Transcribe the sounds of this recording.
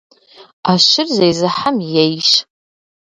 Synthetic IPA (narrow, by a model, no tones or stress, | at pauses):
aʃɪrzejzɨħamjejʃ